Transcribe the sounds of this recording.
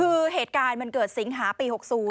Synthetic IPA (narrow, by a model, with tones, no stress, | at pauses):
ɯː˧ɦeː˨˩t̪̚kaː˧nma˧nkɤː˨˩t̪̚si˩˦ŋɦaː˩˦piː˧ho˨˩k̚suː˩˦